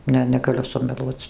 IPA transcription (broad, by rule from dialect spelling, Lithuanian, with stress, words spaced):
ˈnʲɛ nʲɛɡɐˈlʲʊ sʊmʲɛˈlˠuɔt͡s